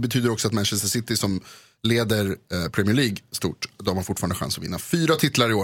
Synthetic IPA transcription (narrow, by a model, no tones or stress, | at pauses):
bɛt̪ʰyːd̪əɾɔksɔat̪mɛnʃɛst̪əsɪt̪ɪsɔm | leːd̪əɾpʰɾɛmɪəɭiːɡst̪ṵːʈd̪ɔɔmhanfʊʈfɑːɾand̪ɧa̰nsɔvɪ̰nːa̰fyːɾat̪ʰɪt̪laɾɪoː